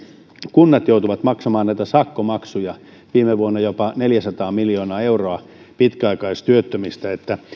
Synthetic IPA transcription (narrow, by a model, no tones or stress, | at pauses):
kunːɑt̪jout̪uʋɑt̪mɑksɑmɑːnnæijt̪æsɑkːomɑksujɑ | ʋiːmeʋuonːɑjopɑneljæsɑt̪ɑːmiljoːnɑːeuroɑ | pit̪kæɑikɑist̪yøt̪ːømist̪æet̪ːæ